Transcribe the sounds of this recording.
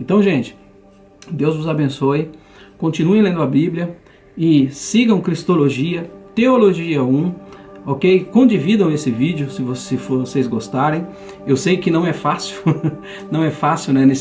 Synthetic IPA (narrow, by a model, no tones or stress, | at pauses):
ẽnt̪ɐ̃w̃ʒẽt͡ʃɪ̥ | d̪ewzvʊzabẽsoj | kõt͡ʃĩnuẽjlẽnd̪ʊɐbiblʲjɐ | ɪsiɡɐ̃w̃kɾist̪oloʒiɐt̪eoloʒiɐũokejkõd͡ʒivid̪ɐ̃w̃esɪvid͡ʒjʊsɪvosefosejzɡost̪aɾẽj̃ewsejʊkɪnɐ̃w̃ɛfasɪw | nɐ̃w̃ɛfasiwnɛnes